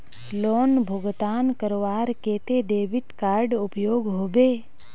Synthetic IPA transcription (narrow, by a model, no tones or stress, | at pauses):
loːnbʱoɡt̪aːnkəɾoʋaːɾkeːt̪eɖeːbɪʈkaːɾɖʊpjoːɡɦoːbeː